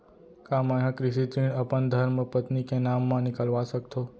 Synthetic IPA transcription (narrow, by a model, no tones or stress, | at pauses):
kamaɦãkɾɪʃit̪ɾiɳəpənd̪ʱəɾməpət̪nikenamːãnɪkəlʋasək̚t̪o